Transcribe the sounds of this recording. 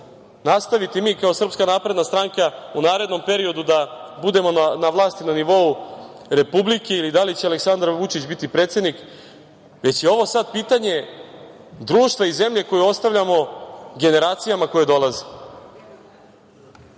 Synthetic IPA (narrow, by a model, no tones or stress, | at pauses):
nast̪aʋit̪imiːkao̞sr̩pskanaːpɾe̞d̪nast̪ɾaŋkaunaːɾe̞d̪no̞mpe̞ɾio̞d̪ud̪abud̪e̞mo̞naʋlˠaːst̪inaniʋo̞u | ɾe̞publike̞ilid̪alit͡ɕealeksand̪ɾaʋut͡ʃit͡ɕbit̪ipɾeːt̪sje̞d̪nik | ʋe̞t͡ɕjeo̞ʋo̞sad̪̚piːt̪aɲe̞ | d̪ɾuːʃt̪vʋaize̞mʎe̞ko̞juo̞st̪aʋʎʲamo̞ɡe̞ne̞ɾaːt̪sijamako̞jed̪olaze